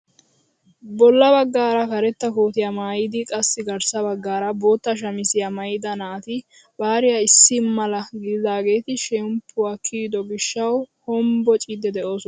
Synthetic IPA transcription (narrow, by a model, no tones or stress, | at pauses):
bɔlːɐβɐɡːaːɾɐkɐɾɛt̪ːɐkoːt̪ɪjamaːjɪd̪ɪkʼɐsːɪɡɐɾsɐbɐɡːaːɾɐbo̞ːt̪ːɐʃ̬ɐmɪsɪjamɐjɪd̪ɐnɐːt̪ɪ | baːɾɪjaɪsːɪmɐlɐɡɪd̪ɪd̪aːɡe̞ːt̪ɪʃɛmpʰːʊwaːkʰiːd̪ɔɡɪʃːɐwhɔmbɔt͡ʃʼid̪ɛd̪ɛʔo̞ːsɔn